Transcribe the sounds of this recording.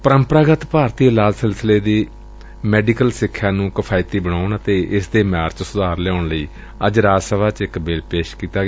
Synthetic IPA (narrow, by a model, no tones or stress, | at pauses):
pəɾəmpəɾaːɡət̪paːɾt̪iːlaːlsɪlsəleːd̪iː | mɛːɖiːkəlsɪkʰːjaːnũːkəpʰaːɪt̪iːbəɽaːʊɳət̪eːʔɪsd̪eːmaːɾt͡ʃsʊd̪aːɾlɛːaʊɳləiː | əd͡ʒɾaːsəʋaːt͡ʃɪkbɪːlpeːʃkiːt̪aːɡː